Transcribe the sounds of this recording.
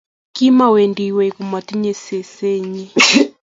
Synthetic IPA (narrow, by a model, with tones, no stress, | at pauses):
kimawɛ˨ndiwɛ˨ku˨ma˨ti˦ɲɛ˨sɛ˨sɛ˦ɲi˦